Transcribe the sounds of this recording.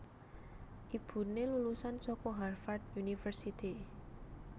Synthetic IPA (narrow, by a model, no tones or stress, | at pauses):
ʔib̥ṳnelulusansɔkɔɦarfard̪unifərsit̪i